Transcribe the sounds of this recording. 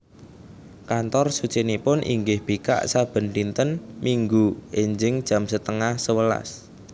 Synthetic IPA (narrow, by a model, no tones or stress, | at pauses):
kant̪ɔrsut͡ʃinipʊnʔḭŋɡɪhb̥ika̰ʔsab̥ə̤nlint̪ənmiŋɡuɪɲd͡ʒɪŋd̥ʒ̥ä̤msət̪əŋahsəwəla̰s